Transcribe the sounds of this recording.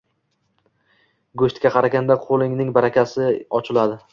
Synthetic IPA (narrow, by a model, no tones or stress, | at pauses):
ɡoʃt̪kʲaqʰɑɾaɡʲand̪aqʰolˠɪŋnɪŋbaɾakʲasɪɒt͡ʃʰɪlad̪ɪ